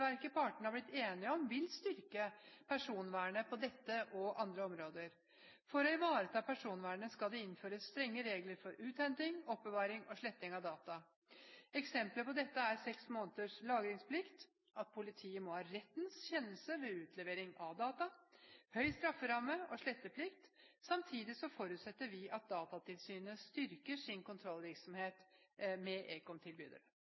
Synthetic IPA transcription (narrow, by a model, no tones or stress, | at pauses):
ʋæɾkəpʰɑʈəɳ̩hɑɾblɪt̪ːeːnɪɔmʋɪlst̪ʏɾkəpʰæʂuːnʋæːɳəpʰɔd̪ɛt̪ːəʔɔʔɑnd̪ɾəɔmɾoːd̪əɾ | fɔɾɔɪʋɑːɾət̪ʰɑːpʰæʂuːnʋæːɳəskɑld̪ɛɪnføːɾəst̪ɾɛŋːəɾeːɡləɾfɔɾʉːt̪ɛnt̪ɪŋɔpːəʋɑːɾɪŋɔʂɭɛt̪ːɪŋɑʋd̪ɑːt̪ɑ | ɛksɛmpləpɔd̪ɛt̪ːəæɾsɛksmoːnət̪əʂlɑːɡɾɪŋspʰlɪkt̪ | ɑt̪̚pʰʊlɪt̪ʰiːəmɔhɑːɾɛt̪ːnsçɛnːəlsəʋɛʉːt̪ʰlɛʋeːɾɪŋɑʋd̪ɑːt̪ɑhœʏst̪ɾɑfːəɾɑmːəɔʂɭɛt̪ːəpʰlɪkt̪sɑmt̪ʰiːd̪ɪsɔfɔɾʉːt̪sɛt̪ːəɾʋɪʔɑt̪̚d̪ɑːt̪ɑt̪ʰɪlsyːnəst̪ʏɾkəʂɪnkʊnt̪ʰɾɔlːʋɪɾksɔmheːt̪mɛʔeːkɔmt̪ʰɪlby̰ːd̪ə̰ɾə